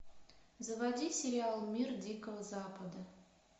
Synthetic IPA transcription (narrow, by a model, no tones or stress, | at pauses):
zəvad̪ʲisʲeɾʲialˠmʲird̪ʲikəvəzapəd̪ə